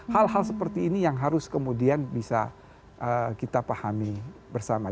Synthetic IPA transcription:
halɦalsəpərt̪iːnijaŋɦaɾʊskəmudianbisa̰ | ʔəkit̪apahamibərsama

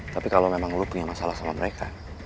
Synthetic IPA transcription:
t̪apikalomemaŋlupuŋamasalasalaməɾekʰa

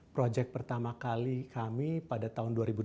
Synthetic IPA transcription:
pɾod͡ʒɛk̚pərt̪amakalikamipadat̪aɦʊnduaɾibu

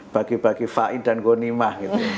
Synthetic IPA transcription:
b̥akib̥akifaʔind̪ankonimahɡit̪u

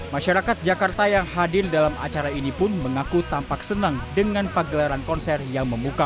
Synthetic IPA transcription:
maʃaɾakat̪̚d͡ʒakart̪ajaŋhadɪrdalama̰t͡ʃaɾainipʊnməŋakut̪ampaksənaŋdəŋanpaɡəlaɾankɔnsɛrjaŋməmuka

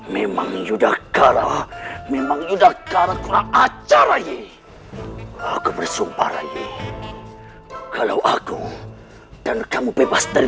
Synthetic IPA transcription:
mema̰ŋd͡ʒudahkaɾamemaŋjudahkaɾakuɾaat͡ʃaɾaje | akubərsuba̰ɾa̰jḛ | kala̰wʔaku | d̥ankamubebast̪əl

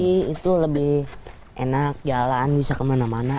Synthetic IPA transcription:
iit̪uləbɪh | ʔḛnak̚d͡ʒalanbisakəmanamana

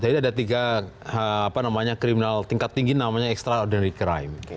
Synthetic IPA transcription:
d͡ʒadiadat̪iɡaəapanamaɲakɾiminalt̪iŋkat̪ːiŋɡinamaɲaɛkst̪ɾaɔdɛnɾikɾa̰jm

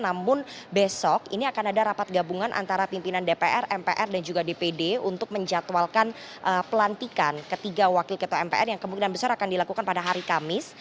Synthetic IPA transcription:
namʊnbesɔkḭniakanadaɾapat̪̚ɡabuŋanʔa̰nt̪aɾapimpinandepeʔɛrɛmpeʔɛrdand͡ʒuɡadepedeunt̪ʊk̚məɲd͡ʒat̪walkan | ʔəpəlant̪ikankət̪iɡawakɪlkət̪oɛmpḛʔɛrjaŋkəmuŋkinanbəsaɾakandilakukanpadaɦaɾikamɪs

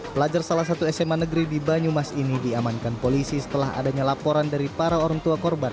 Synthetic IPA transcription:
bəlad͡ʒarsalahs̬at̪uɛsɛmanəɡɾidibaɲumasinidiamankanpolisisə̥t̪əlaɦa̰daɲalapoɾandaɾipaɾaoɾaŋt̪uakɔrban

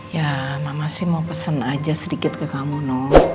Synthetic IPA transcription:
jamamasɪhmaupəsənad͡ʒasəɾikɪt̪̚kəkamunɔh

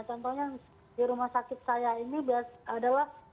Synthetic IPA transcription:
t͡ʃɔnt̪ɔɲa | diɾumahsakɪt̪̚sajainibiasadalah

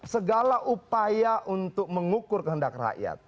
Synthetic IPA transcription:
səɡalaʔupajaʔunt̪ʊk̚məŋukʊrkəɦəndak̚ra̰ʔja̰t̪̚

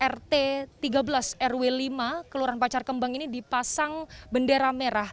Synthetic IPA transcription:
ʔɛrt̪et̪iɡabəlasɛrwelimakəluɾanpat͡ʃarkəmbaŋinidipasaŋbəndeɾameɾah

